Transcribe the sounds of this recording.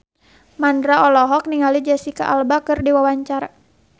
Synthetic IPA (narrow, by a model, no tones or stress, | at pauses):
mandɾaɔlɔɦɔk̚niŋalid͡ʒɛsika̰ʔalbakɨrdiwawaɲt͡ʃaɾa